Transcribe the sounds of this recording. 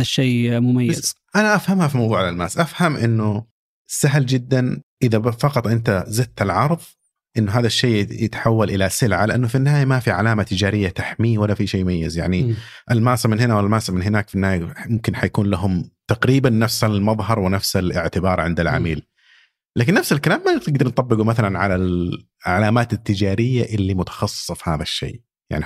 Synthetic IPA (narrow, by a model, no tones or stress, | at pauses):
aʃeːmʊmajːa | ʔanaʔafhamhafimɑwðˤuːʕalalmaːsʔafhamʔɪnːʊ | saɦld͡ʒɪd̪ːanʔɪðafɑqɑt̪ˤʔɪnt̪azɪd̪̚t̪alʕɑɾˤðˤ | ʔɪnːʊɦaːðaʃːeːjɪt̪ḁħawːalʔɪlasɪlʕalɪʔanːʊfinːɪhaːjamafiʕa̰laːmat̪ɪd͡ʒaːɾɪjːat̪aħmiːwalːafiʃeːʊmajːɪzja̰ʕni | ʔalmaːsamɪnhɪnawɪlmaːsamɪnɦɪnaːkfinːɪhaːjmʊmkɪnħajakuːnlaɦʊmt̪aqɾiːbanːafsalmɑðˤɦɑɾˤwɪnafsalɪ̰ʕt̪ɪbɑːɾˤʕɪnd̪alʕa̰miːl | laːkɪnːafsalkalaːmːanɪt̪ɪɡ̚d̪ɑɾnt̪ˤɑbːɪɡumaθalanʕa̰lal | ʕalaːmaːt̪ɪt̪ːɪd͡ʒaːɾɪjːaʔɪlːimʊt̪ɑ̥xɑsˤːɨfˤhaːðaʃːḛː | ja̰ʕni